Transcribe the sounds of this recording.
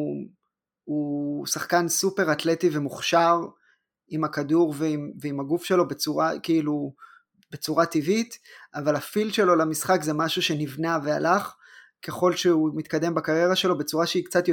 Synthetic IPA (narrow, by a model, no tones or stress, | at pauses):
usaχkansupe̞ʁatle̞tive̞muχʃaʁ | imakaduʁveimveimaɡufʃe̞lo̞be̞t͡suʁakiilu | be̞t͡suʁativitavalafilʃe̞lo̞lamisχakzemaʃuʃe̞nivnavealaχ | ke̞χo̞lʃeumit̪̚kade̞mbakaʁje̞ʁaʃe̞lo̞be̞t͡suʁaʃeikt͡sat̪jo